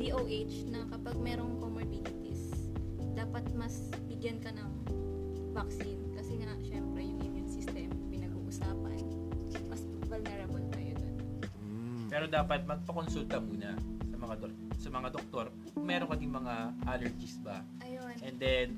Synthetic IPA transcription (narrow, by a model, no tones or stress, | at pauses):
d̪iʔowʔet͡ʃnɐkɐpɐɡ̚mɛːɾoŋkomoɹbilɪt̪is | d̪aːpɐt̪̚mɐs | bɪɡjɐnkɐnɐŋ | bɐksinkɐsɛŋaʃɛmpɾɛjʊŋɪnjʊnsɪst̪ɛmpɪnɐɡuʔʊsaːpɐ̰n | mɐs | vɐlnɛɾɐbɐlt̪ɐjod̪ɐn | pɛːɾo̞d̪aːpɐt̪̚mɐɡ̚pɐkonsult̪ɐmuːnɐsɐmɐŋad̪o | sɐmɐŋad̪ok̚t̪o̞ɾ | mɛːɾoŋkɐd̪ɪŋmɐŋaʔaːlɛɹd͡ʒɪsbɐ | ʔɐjonʔɛnd̪ɛn